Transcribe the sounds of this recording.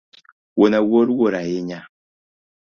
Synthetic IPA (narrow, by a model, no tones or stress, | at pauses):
wonawoɾwoɾajiɲa